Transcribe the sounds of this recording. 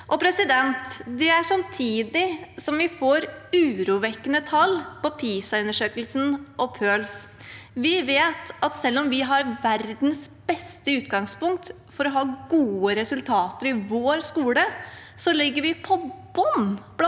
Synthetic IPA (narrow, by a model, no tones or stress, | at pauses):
ʔɔpʰɾɛsɪd̪ɛnt̪d̪ɛæʂɑmt̪ʰiːd̪ɪsɔmʋɪfoːɾʉːɾuːʋɛkːənət̪ʰɑlːpɔpʰiːsɑʉnːəʂøːkəlsn̩ʔɔpʰøːls | ʋɪʋeːt̪ɑt̪sɛlːɔmʋɪɦɑɾʋæɾd̪nsb̥ɛst̪əʉːt̪ɡɑŋspʊŋk̚t̪ | fɔɾɔɦɑːɡuːəɾɛsʉlt̪ʰɑːt̪əɾɪʋoːɾskuːlə | sɔlɪɡːəɾʋɪpʰɔb̥ɔnb